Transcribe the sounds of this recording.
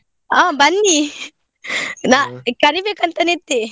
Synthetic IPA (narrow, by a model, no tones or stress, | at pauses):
aːbɐnːi | naːkɐɾibeːkɐnt̪ɐnet̪ːe